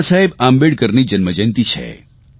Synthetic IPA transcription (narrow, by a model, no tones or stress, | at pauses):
saɦebambeɽkəɾnid͡ʒənməd͡ʒənt̪it͡ʃʰɛ̰